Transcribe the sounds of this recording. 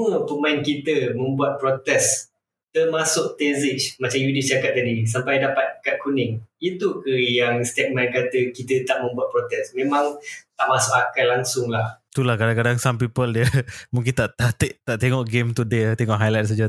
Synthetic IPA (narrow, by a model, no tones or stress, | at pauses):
əpəmaɪnkit̪əmə̃mbuat̪̚pɾot̪ɛs | t̪ərmasʊʔt̪ezit͡ʃmat͡ʃamjudit͡ʃakat̪̚t̪adisampajdapat̪̚kat̪̚kunɪŋit̪ukəjaŋst̪ɛk̚mainkat̪əkit̪ət̪aʔmə̃mbuat̪̚pɾɔt̪ɛsmẽmãŋt̪aʔmasʊʔakalaŋsʊŋlaht̪ulahkadaŋkadaŋsampipəldiəmuŋk̬int̪aʔt̪at̪eʔt̪aʔt̪eŋɔʔɡemt̪udet̪eŋɔʔɦajlajt̪̚s̬ad͡ʒa